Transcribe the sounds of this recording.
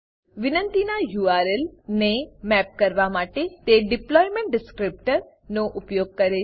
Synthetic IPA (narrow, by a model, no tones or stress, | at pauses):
ʋɪnə̃nt̪inajuːaːɾelnemɛp̚kəɾʋamaːʈet̪eɖɪplɔːjmẽɳʈ̚ɖɪskɾɪp̚ʈəɾ | noʔʊpjoːɡ̚kəɾe